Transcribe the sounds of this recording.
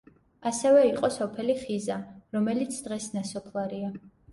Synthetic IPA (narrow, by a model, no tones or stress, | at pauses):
asɛvɛiqʼɔsɔpʰɛliχizaɾɔmɛlit̪sʰd̪ʁɛsnasɔpʰlˠaɾia